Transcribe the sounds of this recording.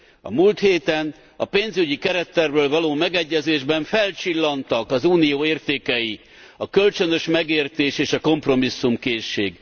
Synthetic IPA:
ɒ̰mult̪heːt̪ɛn | ɒ̰peːnzyɟikɛɾɛt̪ːɛrbøːlvɒloːmɛɡɛɟːɛzeːʒbɛɱfɛlt͡ʃilːɒnt̪ɒkɒzuːnijoːeːrt̪eːkɛji | ɒkø̞lt͡ʃø̞nø̞ʃmɛɡeːrt̪eːʃeːʃɒko̞mpro̞misːumkeːʃːeːɡ

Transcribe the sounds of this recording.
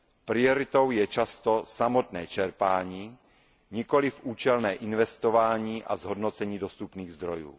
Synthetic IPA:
pɾɪo̞ɾɪt̪o̞wjɛt͡ʃast̪o̞samot̪nɛːt͡ʃɛɾpaːɲiː | ɲɪko̞lɪfʔuːt͡ʃɛlnɛːʔɪnvɛst̪ovaːɲiːʔa̰zɦodnot͡sɛɲiːdo̞st̪upniːɣzd̪ɾojṵː

